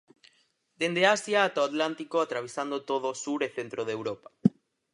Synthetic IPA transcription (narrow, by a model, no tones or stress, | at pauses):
d̪end̪easjaːt̪aat̪lant̪ikoat̪ɾaβ̞esand̪ot̪oðosuɾeθent̪ɾoðeːwɾopḁ